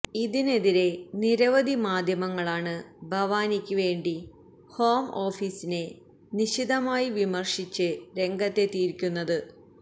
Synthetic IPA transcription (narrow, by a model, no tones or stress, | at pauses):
iðine̞ðiɾe̞niɾɐʋɐd̪ʱimaːd̪ʱjɐmɐŋːɐɭaːɳɨbʱɐʋaːnikʲːuʋe̞ːɳɖi | ho̞ːmo̞ːfiːsine̞ | niɕiðɐmaːjiʋimɐrʂit͡ɕːɨɾe̞ŋɡɐt̪ːe̞t̪iːɾkʲːunːɐðɨ